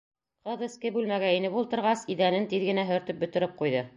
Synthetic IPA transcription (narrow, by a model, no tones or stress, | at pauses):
qɤðɘ̆skɘbʉlmæɡæinɘpulˠt̪ɤ̆ɾʁɑsiðænɘnt̪iðɡɘ̆næɦɵ̆ɾt̪ɘp̚bɵ̆t̪ɘ̆ɾɘp̚qujðɤ